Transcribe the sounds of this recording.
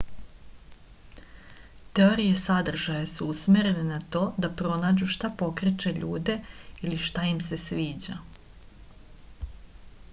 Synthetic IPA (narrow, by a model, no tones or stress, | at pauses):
t̪e̞o̞ɾije̞sad̪r̩ʒajasuusmʲeɾe̞nenat̪o̞ːd̪apɾo̞naːd͡ʑuʃt̪apo̞kɾet͡ʃe̞ʎuːd̪e̞iliʃt̪aimse̞sʋiːd͡ʑa